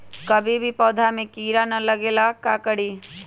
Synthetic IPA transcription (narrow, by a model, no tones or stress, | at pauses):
kɐbʱibʱipɔːd̪ʱamẽkiːɾanɐləɡeːlakakəɽ̤iː